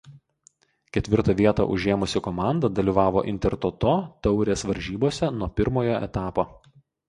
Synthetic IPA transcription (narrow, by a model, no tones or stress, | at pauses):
kʲɛt̪ʲʋʲɪɾt̪ɐʋʲiɛt̪ɐ̰ʔʊʒʲeːmʊsʲɪkɔmɑˑnd̪ɐd̪ɐlʲiːʋɑːʋoːʔɪnʲt̪ʲɛɾt̪ot̪oːt̪ɒʊɾʲeːsʋɐɾʲʒʲiːboːsʲɛnuɔpʲɪɾmoːjoːʔɛ̰t̪ɑːpoː